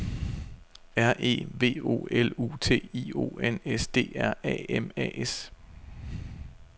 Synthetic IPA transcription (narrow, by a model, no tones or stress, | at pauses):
æɐ̰ʔe̝̰ːʋe̝̰ːo̝̰ːelṵːt͡sʰe̝̰ːio̝̰ːenesd̥e̝̰ːæɐ̰ɛ̰emɛ̰ʔes